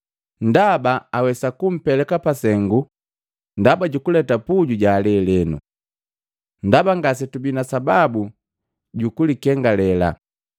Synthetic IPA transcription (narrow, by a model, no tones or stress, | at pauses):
n̩dabaawɛsakum̩pɛlɛkapasɛŋɡu | ndabaɟukulɛtapuɟuɟaːlɛlɛnṵ | ndabaŋɡas̬ɛtubinasababu | ɟukulikɛŋɡalɛla̰